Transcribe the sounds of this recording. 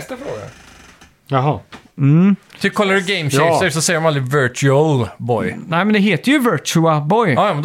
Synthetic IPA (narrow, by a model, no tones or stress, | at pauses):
st̪afɾoːɡa̰ | ɦɑ | m̩t̪ʰɪkʰɔlːadɪɡɛɪmʃɛsɛsɔsɛjːɾmamald̪ɾɪvɛɾt͡ʃɛlbɔjnɛɪmɛnd̪ɛɦeːt̪əjɵvœt͡ʃʉabɔjɑːjɑːmɛnd̪